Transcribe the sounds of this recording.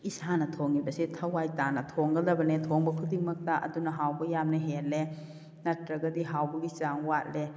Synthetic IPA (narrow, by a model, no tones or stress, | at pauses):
isanɐtʰoŋibɐsitʰɐwajtanɐtʰoŋɡɐldɐbɐnetʰoŋbɐkʰudiŋmɐk̚taʔɐ̰dunɐɦawbɐjamnɐɦelːe | nɐtɾɐɡɐdiɦawbɐɡit͡ʃaŋwat̚le